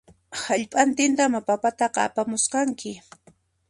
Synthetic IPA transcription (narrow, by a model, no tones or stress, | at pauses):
haʎpʼant̪ɪnt̪amapapat̪ɑqɑ̰ːpamʊsqɑŋkɪ